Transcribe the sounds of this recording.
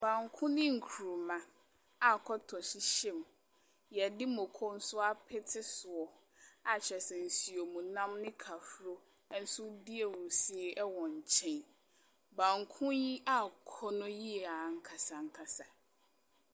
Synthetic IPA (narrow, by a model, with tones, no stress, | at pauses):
bã˨ŋkʰʊ̃˦nɪ̃˦ŋ̩˨kʰu˨ɾu˨mã˨ | a˨kʰɔ˦tʰɔ˨ɕi˦ɕɛ̃˦m | jɛ˨dɪ˦mʊ̃˨kʰɔ˦n̩˦sʊ˦a˦pʰɪ˦tʰɪ˦sʊ˨ɔ˨ | a˨t͡ɕʰɛ˨sɛ˨n̩˨si˨o˨mũ˨nã˦mnɪ̃˦kʰa˨fɾo˦ | n̩˦sʊ˦di˦e˨wũ˨si˦e˦ʔɛ˦wɔ̃˨ɲ̩˨t͡ɕʰɛ̃˦n | bã˨ŋkʰʊ̃˦ji˦a˦kʰɔ˦nʊ̃˦ji˦ɛ˨a˨ŋ̩˦kʰa˨sa˨ŋ˨kʰa˨sa˨